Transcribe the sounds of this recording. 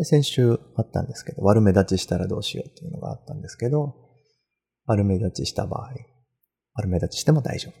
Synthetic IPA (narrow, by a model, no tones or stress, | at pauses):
sẽ̞ɰ̃ɕɨːat̪ːã̰nd̪e̞sɨ̥ke̞d̪o̞̰βaɾɯ̟me̞d̪at͡ɕiɕi̥t̪aɾad̪o̞ːɕḭjo̞̰t̪ːe̞jiɯ̟no̞ɡa̰a̰t̪ːãnd̪e̞sɨ̥ke̞d̪o̞ | βaɾɯ̟me̞d̪at͡ɕiɕi̥t̪aba̰ːi | βaɾɯ̟me̞d̪at͡ɕi̥ɕi̥t̪e̞mod̪a̰iʑo̞b̥